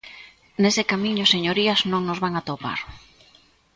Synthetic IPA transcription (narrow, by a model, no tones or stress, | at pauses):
nesɪkamiɲʊseɲoɾiɐznõŋnozβaŋat̪opa̰ɾ